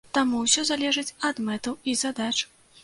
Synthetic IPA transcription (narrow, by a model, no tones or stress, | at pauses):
t̪amuwsʲɔzalʲɛʐɨt͡sʲɐd̪mɛt̪ɐwizad̪at͡ʂ